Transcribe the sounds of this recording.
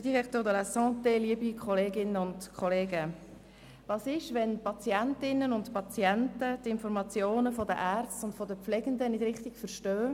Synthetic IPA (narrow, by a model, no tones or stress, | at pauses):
d̥iʁɛkt̪oːd̪əlasɑ̃ːteliəbikʰχɔleːɡɪnəʊntkχɔleːɡə | vɑːsɪʃʋɛnpɑt͡siɛntɪnːənʊntpɑt͡sjɛntətɪnfɔɾmɑt͡sjoːnəfɔdəʔæːɾt͡stʊntfɔdəpflɛɡ̥ənd̪ənɪdɾɪχtiɡfəɾʃtøː